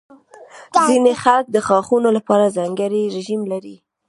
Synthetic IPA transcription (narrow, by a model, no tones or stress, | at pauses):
zinexalk̚d̪əxɑxunolapɑɾazɑŋɡəɾiɾɪʒimlaɾi